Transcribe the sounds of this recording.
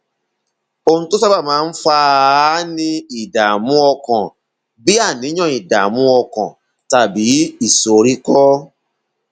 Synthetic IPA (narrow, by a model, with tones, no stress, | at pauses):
o˧ũ˧to˦sa˦ba˦˨mãː˨˦˧n̩˦fa˦nĩ˧i˦˨da˨mũ˦ɔ˧kã˨ | bi˦a˦˨nĩ˨˦ɔ̃˦˨i˨da̰˨mũ˦ɔ˧kã˨ | ta˨bi˨˦i˦˨so˨ɾi˦kɔ˦